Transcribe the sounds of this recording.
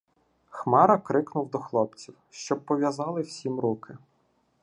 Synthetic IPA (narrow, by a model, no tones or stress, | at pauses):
xmɑɾɐkɾɪknʊwd̪ɔxlˠɔpt͡sʲiwʃt͡ʃɔb̚pːɔʋʲjɐzɑlˠɪwsʲimɾukɪ